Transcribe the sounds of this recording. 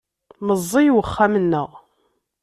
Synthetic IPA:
məzˤːijwəχːamənːəʁ

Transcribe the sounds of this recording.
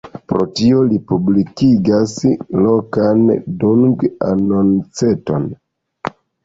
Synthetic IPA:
pɾo̞tio̞lipublikiɡaslo̞kanduŋɡa̰no̞nt͡se̞to̞̰n

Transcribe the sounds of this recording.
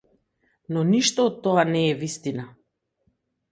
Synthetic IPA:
nɔniʃt̪ɔːt̪ːɔanɛːvist̪ina

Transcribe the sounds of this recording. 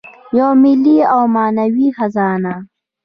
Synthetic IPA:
jawmɪlːiawmɑːnawixazɑːna

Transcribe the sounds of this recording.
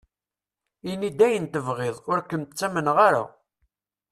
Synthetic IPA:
inid̪æjənt̪əvʁeðˤʊɾkːənt̪t͡sːæmənʁaɾa̰

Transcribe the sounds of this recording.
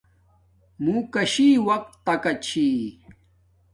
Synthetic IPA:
mũːkɐɕiwɐk̚t̪ːɐkɐt͡ɕʰi

